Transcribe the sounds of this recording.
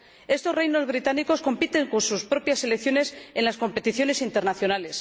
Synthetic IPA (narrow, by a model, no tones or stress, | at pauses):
e̞st̪o̞zrejno̞zβ̞ɾit̪aniko̞sko̞mpit̪e̞ŋko̞nsuspɾo̞pjase̞lekθjo̞ne̞se̞nlasko̞mpe̞t̪iθjo̞ne̞sint̪e̞ɾnaθjo̞nale̞s